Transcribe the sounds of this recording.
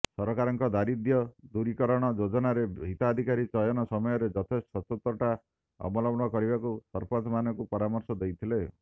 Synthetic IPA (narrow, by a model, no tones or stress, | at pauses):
sɔɾɔkaɾɔŋkɔd̪aɾid̪jɔd̪uɾikɔɾɔɽ̃ɔd͡ʒod͡ʒɔnaɾeit̪ad̪ʱikaɾit͡ʃɔjɔnɔsɔmɔjɔɾed͡ʒɔt̪ʰesʈɔɔt̪ɔt̪ɾɔʈa | ɔ̰bɔlɔbɽ̃ɔkɔɾibakusɔɾpʰɔt̪manɔkupɔɾamɔɾsɔd̪ejt̪ʰile